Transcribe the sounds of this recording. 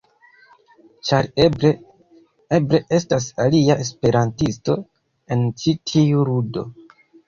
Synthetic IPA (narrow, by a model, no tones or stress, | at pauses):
t͡ʃaɾe | e̞bɾe̞ʔe̞stas̬aliaʔe̞spe̞ɾantisto̞ | e̞nt͡ʃitʰiuɾudo̞̰